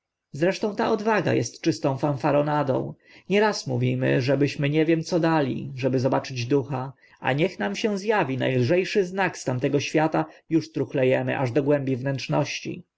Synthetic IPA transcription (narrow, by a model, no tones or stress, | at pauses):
zɾɛʂt̪ɔ̃w̃t̪aʔɔd̪vaɡa̰jɛ̰st̪t͡ʂɘst̪ɔ̃w̃fãnfaɾɔnad̪ɔ̰̃w̃ | ɲɛɾasmuvʲimɘ̰ʐɛbɘɕmɘɲɛvʲjɛmt̪sɔd̪alʲḭʐɛbɘzɔbat͡ʂɘd͡ʑd̪uxa | a̰ɲɛxnamɕɛ̃w̃zjavʲina̰jlʐɛjʂɘznakst̪amt̪ɛɡɔɕfʲjat̪ajuʂt̪ɾuxlɛjɛmɘ̰ʔaʐd̪ɔɡwɛmbʲivnɛntt͡ʂnɔɕt͡ɕḭ